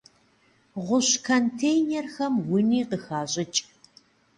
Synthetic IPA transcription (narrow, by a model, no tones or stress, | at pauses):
ʁʷʊɕkʰɐntʰejnerxɐmwʊniːqəxaːɕʼɪt͡ʃʼ